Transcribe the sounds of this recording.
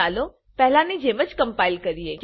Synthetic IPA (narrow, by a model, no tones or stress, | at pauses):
aːlo | pɛɦlãnid͡ʒeːʋət͡ʃkə̃mpaːilkəɾiek